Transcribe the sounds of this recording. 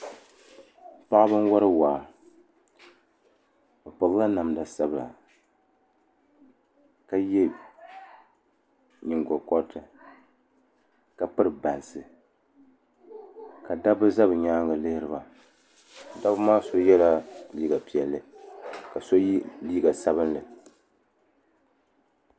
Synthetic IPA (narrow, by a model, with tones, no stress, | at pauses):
pa˦ʔbɨ˦n˦wɔ˦ɾɨ˦waː˨ | bɨ˨pa˨lla˦na˨mda˨sa˦bɨ˨la̰˨ | ka˦jɛ˦˨b | ɲɪ˨ŋɡɔ˨kɔ˦tɨ˨ | ka˨pɨ˦ɾɨ˨ba˨nsɨ˨ | ka˨da˦bɨ˦za˦bɨ˨ɲaː˦ŋɡa˨le˦ɾɨ˦ba˨ | da˦bɨ˦maː˦so˦jɛ˦la˦liː˦ɡa˨pi˨ɛ˨lːɨ˨ka˨so˦ji˦liː˦ɡa˨sa˦βɨ˦nlɨ˨